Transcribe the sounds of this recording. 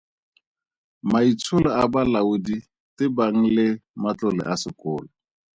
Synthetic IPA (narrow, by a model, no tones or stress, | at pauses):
mait͡sʰʊlɛabalaudi | tɪbaŋ̩lɪmat͡ɬʊlɛ̰ʔasɪkʊːlɔ